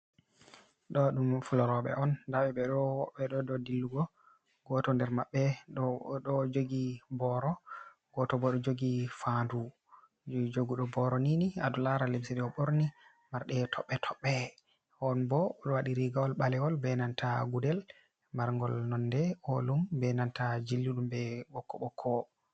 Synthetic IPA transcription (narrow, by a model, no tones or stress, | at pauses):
ɗɔɗumfulɔɾɔɓɛ̰ʔɔndaɓɛɓɛɗɔwɔɓːɛɗɔdɔdilːuɡɔ | ɡɔtɔndɛɾmaɓːɛ | ɗɔd͡ʒoɡibɔɾɔ | ɡ̥ɔtɔbɔɗɔd͡ʒoɡifandu | d͡ʒoɡuɗɔbɔɾɔniniadulaɾalemsiɗɛɔɓoɾni | maɾɗɛtʰɔɓːɛtʰɔɓːɛ | hɔnbɔɗɔwaɗiɾiɡawɔlɓalɛwɔlbɛnantʰaɡudɛl | maɾŋɡɔlnɔndɛɔlumbɛnantad͡ʒilːiɗumbɛɓɔkːɔɓɔkʰːɔ